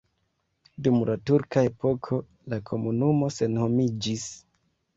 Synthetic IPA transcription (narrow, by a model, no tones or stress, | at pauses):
dumlʔatuɾkae̞po̞kʰo̞ | lakʰo̞munumo̞se̞nho̞mid͡ʒis